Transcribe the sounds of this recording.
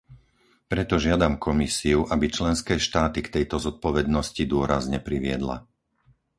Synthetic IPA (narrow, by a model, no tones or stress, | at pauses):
pɾɛt̪ɔʒɪad̪amkʰɔmisiuʔabit͡ʃlɛnskɛːʃt̪aːt̪ikt̪ɛjt̪ɔzɔt̪̚pɔʋɛd̪nɔscid̪ʊɔɾazɲɛpɾiʋɪɛ̰d̪la̰